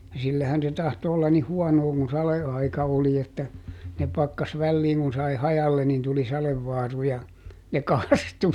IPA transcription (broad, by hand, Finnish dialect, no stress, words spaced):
jɑ silːæhæn se tɑhto olːɑn nih huɔnoː kun sɑleɑikɑ oli etːæ ne pɑkːɑs ʋælːiːŋ kun sɑi hɑjɑlːe nin tuli sɑleʋːɑːru jɑ ne kɑstu